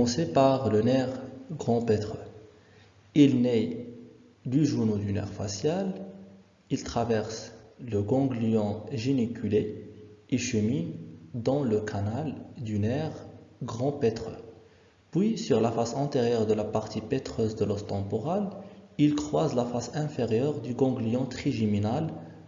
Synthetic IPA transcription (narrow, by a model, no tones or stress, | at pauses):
sepaʁlənɛʁɡʁɑ̃pɛt̪χø | ilnɛj | d̪yʒuʁnod̪ynɛ̰ʁfasjal | ilt̪χavɛʁsləɡɔ̃ɡlijɑ̃ʒinikʲʰyleeʃəmind̪ɑ̃ləkʰanald̪ynɛʁɡʁɑ̃pɛt̪χø̰ | pwisyʁlafasɛ̃t̪eʁjœʁd̪əlapaʁt̪ipɛt̪χøzd̪əlɔst̪ɑ̃pɔʁalilkχwazlafasɛ̃feʁjœʁd̪yɡɔ̃ɡlijɑ̃t̪χiʒiminal